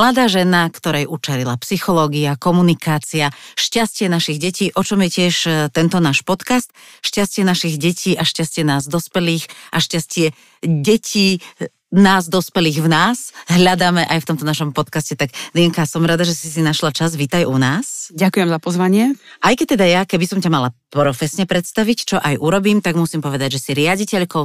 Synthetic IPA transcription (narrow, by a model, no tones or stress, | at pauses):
mlad̪aːʒɛnakt̪ɔɾɛjʔut͡ʃɛɾilapsixɔlɔːɡiakɔmunikaːt͡siaʃcascɪɛnaʃiɣɟɛciːʔɔt͡ʃɔmjɛcɪɛʃt̪ɛnt̪ɔnaːʃpɔt̪kast̪ʃcascɪɛnaʃiɣɟɛcʰiːʔaʃcascɪɛnaːzd̪ɔspɛliːxʔaʃcascɪɛ | ɟɛcʰiː | naːzd̪ɔspɛliːɣvnaːsɦʎad̪aːmɛʔajft̪ɔmt̪ɔnaʃɔmpɔt̪kascɛt̪aɡd̪ɛŋkasɔmɾad̪aʒɛsisinaʃlat͡ʃazʋit̪ajʔunaːsɟakujɛmzapɔzʋaɲɪɛʔajkɛc̚t̪ɛd̪ajakɛbisɔmcamalat̪ɔɾɔfɛsɲɛpɾɛt̪st̪aʋict͡ʃɔʔajʔuɾɔbiːmt̪aɡmusimpɔʋɛd̪aɟʒɛsiɾɪaɟicɛʎkɔʊ